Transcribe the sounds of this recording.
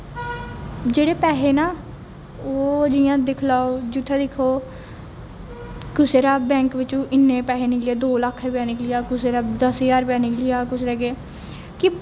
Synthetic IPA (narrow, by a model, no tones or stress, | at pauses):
d͡ʒeːɽeːpɛːɦeːnaː | oːd͡ʒɪjãːd̪ɪkʰlaːoːd͡ʒʊt̪ʰːaːd̪ɪkʰːoː | kʊseːɾaːbɛ̃ːŋkʋɪt͡ʃũːʔɪnːeːpɛːɦeːnɪklɪjaːd̪oːləkʰːɾʊpjaːnɪklɪjaːkʊseːɾaːd̪əsjaːɾʊpjaːnɪklɪjaːkʊsɾɛːɡeː | kɪ